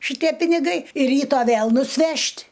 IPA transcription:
ʃʲɪˈtʲiɛ pʲɪnʲɪˈɡɐɪ ɪr ˈrʲiːtoː ˈʋʲeːlˠ nʊsʲˈʋʲɛʃʲtʲ

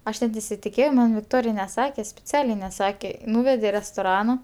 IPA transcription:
ˈɐʃ nʲɛt nʲɛsʲɪtʲɪˈkʲeːjɛʊ mɐn ʋʲɪkˈtoːrʲɪj nʲɛˈsɑːkʲɛ sʲpʲɪˈt͡sʲæːlʲɛɪ nʲɛˈsɑːkʲɛ ˈnuːʋʲɛdʲɛ ɪ rʲɛstoːˈrɑːnoː

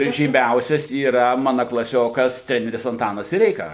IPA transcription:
ɪr ʒʲiːˈmʲɛʊsʲɛs iːˈrɐ ˈmɑːnɐ klˠɐˈsʲoːkɐs ˈtʲrʲæːnʲɛrʲɪs ɐnˈtɑːnɐs sʲɪˈrʲɛɪkɐ

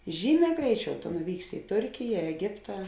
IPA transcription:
ˈʒʲiːˌmʲɛː ˈɡrʲɛɪˌt͡ʃʲɛʊ tʊ nʊˈʋʲiːksʲɪ ɪ ˈtʊrʲkʲɪjɛ ɛˈɡʲɪptɑː

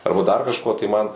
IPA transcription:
ˈɐrbɐ dɐr kɐʃˈkoː tɐɪ ˈmɐn

